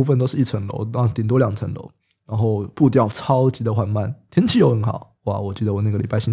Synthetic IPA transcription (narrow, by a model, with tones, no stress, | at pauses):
u˥˧fə˥nt̪̬o˥ʊʂɻ̩˧i˥˩ə˧˥ŋlo̰˧˥ʊa˥˧˩t̪jɛ˨˩nt̪wɔ˥ljɑ˨˩ŋt͡sʰə˧˥ŋlo̰˧˥ʊ | na˧˥nxo˥˧ʊpu˥˧t̪̬jɑ˥˩ʊt͡sʰɑ˥ʊt͡ɕi˧˥d̪ə˨˧xwa˧˩nma˥˩nt̪ʰjɛ˥nt͡ɕʰi˧˥jo˧˥ʊxə˧˥nxɑ˨˩˦ʊwa̰˥˩wɔ˨˩t͡ɕi˧˥d̪ə˧wɔ˨˩˦na˥˩ɡə˩li˨˩pa˥ɪɕi˥